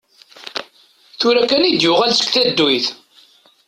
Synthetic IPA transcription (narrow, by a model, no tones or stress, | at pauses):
θʊɾækænid̪jʊʁælsə̥kθæd̪ːwiθ